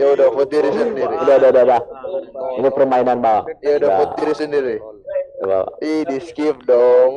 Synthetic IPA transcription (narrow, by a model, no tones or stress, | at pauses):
ijaudafot̪iɾisəndiɾiudadaudada | inipərmainanbawa̰ʔjaudaa̰fot̪iɾisəndiɾida̰ba̰wa̰ihdiskif̚dɔŋ